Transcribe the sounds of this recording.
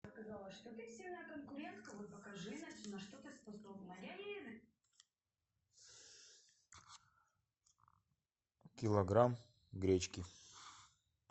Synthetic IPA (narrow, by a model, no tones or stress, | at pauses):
skɐzalˠəʂt̪ot̪ɨsʲilʲnakənkʊɾʲent̪kɐvot̪̚pɐkɐʐɨnat͡ɕnɐʂt̪ot̪əspɐsobnɐɾʲajʲenɨ | kʲɪlˠɐɡɾam | ɡɾʲet͡ɕkʲɪ